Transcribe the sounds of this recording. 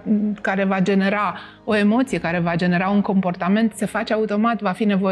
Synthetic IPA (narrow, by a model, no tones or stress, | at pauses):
kaɾe̞vad͡ʒe̞ne̞ɾa | o̞e̞mo̞t̪sije̞kaɾe̞vad͡ʒe̞ne̞ɾauŋko̞mpo̞rt̪ame̞nt̪se̞fat͡ʃeaut̪o̞mat̪vafine̞vo̞